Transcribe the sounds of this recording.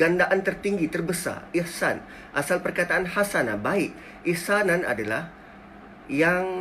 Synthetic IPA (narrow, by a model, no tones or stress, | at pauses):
ɡandaʔant̪ərt̪iŋɡit̪ərbəsa̰rihsa̰n | ʔasalpərkat̪aanhasanabaɪk | ihsanana̰dala̰h | jaŋ